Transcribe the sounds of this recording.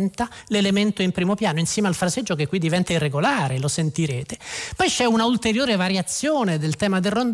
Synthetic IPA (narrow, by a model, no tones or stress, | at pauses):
nt̪alelement̪oimpɾiːmopjaːnoinsjɛːmealfɾased͡ʒːokekːwid̪ːivɛnt̪airːeɡolaːɾelosent̪iɾeːt̪epɔjt͡ʃɛunault̪eɾjoːɾevaɾjat̪sːjoːned̪elt̪ɛːmad̪elrond̪